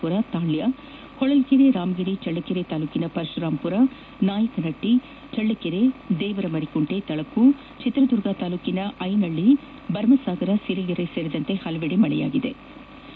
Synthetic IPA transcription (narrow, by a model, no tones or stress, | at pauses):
uɾɐt̪aːɭjɐ | hɔɭɐlkeɾeɾaːmɡiɾit͡ʃɐɭːɐkeɾet̪aːluːkinɐpɐɾʃɐɾaːmpuɾɐ | naːjɐkɐnɐʈːi | t͡ʃɐɭːɐkeɾed̪ɛːʋɐɾɐmɐɾikuɳʈet̪ɐɭɐkːu | t͡ʃit̪ɾɐd̪uɾɡaːt̪aːluːkinɐʔɐjnɐɭːi | bɐɾmɐsaːɡɐɾɐsiɾiliɾɐseɾid̪ɐnt̪e̞hɐlɐʋeɽemɐɭɛ̰ja̰ːɡid̪ḛ